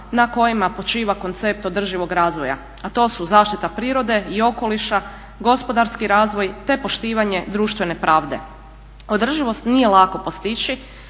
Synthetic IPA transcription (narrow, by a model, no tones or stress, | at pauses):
nako̞jimapo̞t͡ʃiːʋako̞nt̪se̞p̚t̪o̞d̪r̩ʒiʋo̞ɡɾaːzʋoja̰ | at̪o̞ːsuzaːʃt̪it̪apɾiːɾo̞d̪e̞io̞ko̞liʃa | ɡo̞spo̞d̪aɾskiɾaːzʋo̞jt̪e̞po̞ʃt̪iːʋaɲe̞d̪ɾuːʃt̪ʋe̞ne̞pɾʔaːʋd̪e̞̰ | o̞d̪r̩ʒiʋo̞st̪nije̞lˠako̞post̪it͡ʃi